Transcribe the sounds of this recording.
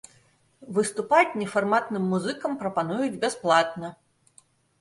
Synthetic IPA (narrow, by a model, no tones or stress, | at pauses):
vɨst̪upat͡sʲnʲɛfarmat̪nɨmːuzɨkɐmpɾɐpanujud͡zʲbʲasplˠat̪nɐ